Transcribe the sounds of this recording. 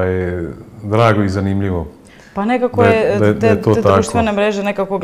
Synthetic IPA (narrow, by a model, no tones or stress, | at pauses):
jed̪ɾaːɡoizanimʎiʋo | panekakojed̪ajet̪oːet̪akʃt̪enemɾeʒenekakoɡ